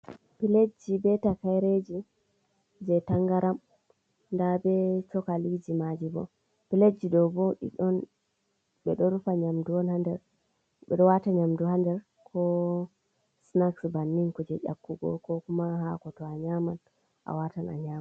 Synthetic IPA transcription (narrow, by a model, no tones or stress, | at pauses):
piled͡ʒibɛtakajɾed͡ʒi | d͡ʒɛtaŋɡaɾʔam | ndabɛt͡ʃɔkalid͡ʒimad͡ʒibɔ̰ | piled͡ʒidɔbɔɗḭɗɔn | ɓɛɗɔɾufaɲamduwɔnhandɛɾ | ɓɛ̰ɗɔwataɲamduhandɛɾ | kʰɔ | snaksbanːiŋkɔd͡ʒɛʔa̰kːuɡɔ̰kɔkumaɦakɔtɔaɲaman | ʔa̰watana̰ɲama